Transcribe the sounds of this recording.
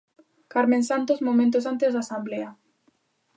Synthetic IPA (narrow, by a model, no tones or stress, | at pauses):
kaɾmẽnsant̪ozmomẽnt̪osant̪ezðasamblea